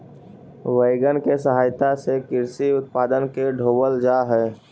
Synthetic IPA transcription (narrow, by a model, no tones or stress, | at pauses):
ʋeɪɡənkesəɦaːjt̪asekɪɾsiʊt̪̚paːd̪ənkeɖʱoːbəld͡ʒaːɦɛː